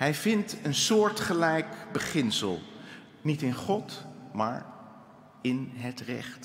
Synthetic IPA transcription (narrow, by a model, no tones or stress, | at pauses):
ɦɛjvɪntənsʊːɹtχəlɛjkbəχɪnsə̰lˠ | nitɪnχɔtma̰ːɹ | ɪnɦətrɛ̰χt